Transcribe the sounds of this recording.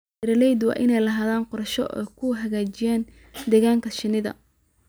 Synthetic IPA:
ɾɐlɛjd̪wɑ̰ːʔɪnɛjlɐɦaːðaːnqɔɾɐʃɔʔɛ̰kʰʊɦɐɣaːt͡ʃɪjaːn | d̪ɛːɣaːŋkʰɐʃɪnɪðɐ̰

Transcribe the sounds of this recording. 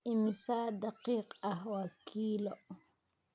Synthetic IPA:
ɪmɪsaːd̪ɑqiːqɐhwɐkʰiːlɔ

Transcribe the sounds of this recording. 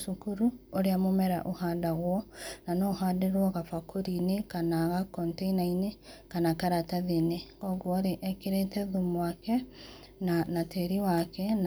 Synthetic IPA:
ʃukuɾuoɾeamomɛɾa̰ʔohaːdaɣwɔnanohaːdeɾwɔɣafakʰoɾinekanaɣakɔnteinainekanakaɾataðenekɔɡwɔɾeʔɛkeɾetɛðumwakɛ | nanateɾiwakɛn

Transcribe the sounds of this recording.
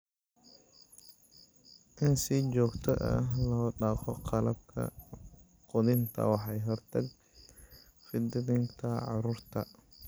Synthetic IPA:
ʔɪnsit͡ʃɔːɡt̪ʰɔʔɐ̰ɦlɔːɖɑːqɔqʰɑlɐb̚kʰɐ̰ | qɔðɪnt̪ʰɐ̰wɑħɑjɦɔrt̪ʰɐɡ | fɪd̪ɪðɪŋt̪ʰɐʕɑɾuːrt̪ʰɐ

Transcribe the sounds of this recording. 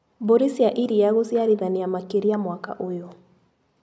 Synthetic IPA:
boɾisiaʔiɾiaɣosjaɾiðaniamakeɾiamwaka̰ʔojɔ

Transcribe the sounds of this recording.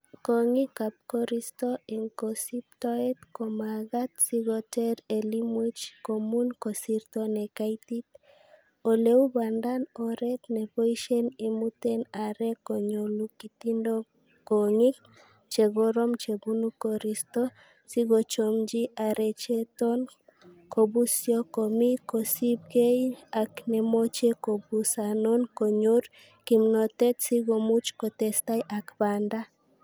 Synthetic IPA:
koŋikap̚kɔɾist̪ɔiŋkɔsip̚tɔɛt̪kɔmaɡat̪̚siɡɔtɛɾɛlimwit͡ʃkomunkɔsiɾt̪ɔnɛkajt̪it̪̚ | oleubandanɔɾɛt̪nɛpoiʃɛnimut̪ɛnaɾɛkɔɲolukit̪indɔ | koŋik̚ | t͡ʃeɡoɾomt͡ʃebunukoɾist̪o | siɡot͡ʃomd͡ʒiʔaɾet͡ʃet̪on | kobusjokomikosib̚ɡejaknemot͡ʃekobusanonkoɲoɾ | kimnot̪et̪siɡomut͡ʃkot̪est̪ajʔakband̪a

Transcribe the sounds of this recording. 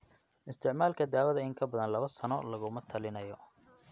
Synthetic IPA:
ʔɪst̪ʰɪʕmaːlkʰɐd̪aːwɐðɐɪŋkʰɐbɐðɐnlɐβɐsɐnɔlɐɣʊmɐt̪ʰɐlɪnɐjɔ

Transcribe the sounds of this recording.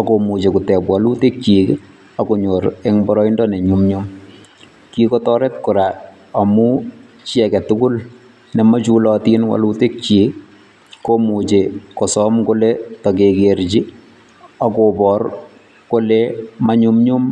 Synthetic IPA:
akomut͡ʃekutɛpwalutek̚t͡ʃiːk | akoɲoɾeŋbɔɾɔindɔneɲumɲum | kikɔtɔɾɛtkuɾa | amu | t͡ʃɛkɛtukʊl | nɛmat͡ʃulɔtinwa̰lutek̚t͡ʃiːk | kːomut͡ʃekɔsɔmkoletɔk̬ekeɾt͡ʃi | akopɔr | kolemaɲumɲum

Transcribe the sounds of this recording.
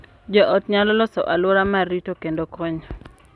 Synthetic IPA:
d͡ʒɔʔɔtɲalɔlɔsɔ̰ʔalwɔɾamaritokendokɔɲɔ

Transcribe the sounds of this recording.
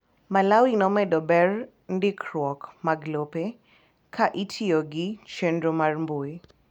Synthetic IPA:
malawinɔmɛdɔbɛr | ndikʰɾwɔkmaɡlope | kʰaʔitʰioɡit͡ʃendɾomarmbui

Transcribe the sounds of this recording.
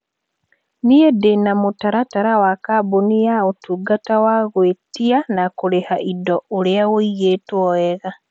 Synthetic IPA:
niedenamotaɾataɾawakabonijaotuɡatawaɣwetianakoɾehaʔidɔoɾeaoiɣetwɔɛɣa

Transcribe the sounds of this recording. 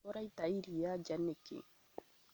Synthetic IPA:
ɔɾajt̪aiɾijad͡ʒanːɛkːḛ

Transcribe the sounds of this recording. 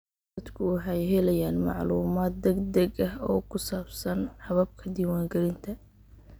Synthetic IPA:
ɐd̪kʰʊwɑħɑjɦɛlɛjaːnmɑ̰ʕluːmaːd̪̚ːɛɡd̪ɐɡɐɦɔ̰ːkʰʊsaːbsɐnħɐβɐb̚kʰɐd̪iːwaːŋɡɛlɪnt̪ʰɐ

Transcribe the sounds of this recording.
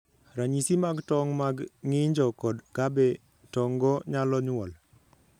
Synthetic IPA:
ɾaɲisimaɡtɔŋmaɡŋɪɲd͡ʒɔkɔdkabɛ | tɔŋɡɔɲalɔɲʊwɔl

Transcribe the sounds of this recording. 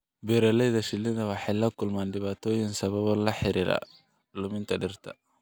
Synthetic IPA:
bɛɾɐlɛjðɐʃɪlɪðɐwɑħɑjlɐkʰʊlmaːnɖɪβaːt̪ʰɔːjɪŋsɐβɐβɔlɐħɪɾiːɾa̰ | lʊmɪnt̪ʰɐɖɪrt̪ʰɐ̰

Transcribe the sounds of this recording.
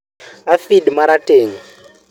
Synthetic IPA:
afidmaɾateːŋa

